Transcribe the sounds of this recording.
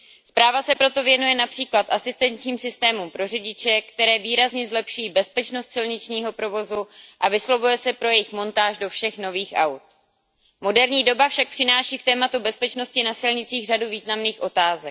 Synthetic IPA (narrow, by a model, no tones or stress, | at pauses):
spɾaːvasɛpɾo̞t̪o̞vjɛnujɛnapr̥iːklat̪ʔasɪst̪ɛnt̪ɲiːmsɪst̪ɛːmumpɾo̞rɪɟɪt͡ʃɛkt̪ɛɾɛːviːɾazɲɛzlɛpʃujiːbɛspɛt͡ʃno̞st̪sɪlɲɪt͡ʃɲiːɦo̞pɾo̞vo̞zuʔavɪslo̞vujɛsɛpɾo̞jɛjɪxmo̞nt̪aːʒdo̞fʃɛxno̞viːxʔa̰wt̪̚ | mo̞dɛɾɲiːdo̞bafʃak̚pr̥ɪnaːʃiːft̪ɛːmat̪ubɛspɛt͡ʃno̞scɪnasɪlɲɪt͡siːɣr̝aduviːznamniːxʔo̞t̪aːzɛk̚